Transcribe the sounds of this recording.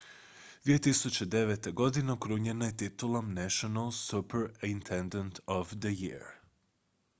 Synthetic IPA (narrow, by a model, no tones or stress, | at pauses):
d̪ʋijet̪isut͡ɕed̪e̞ʋet̪eɡo̞d̪ineokɾuɲenajet̪it̪ulˠomnɛʃionalˠsupeɾint̪ʰend̪ant̪ʰoʋd̪əjḭɾ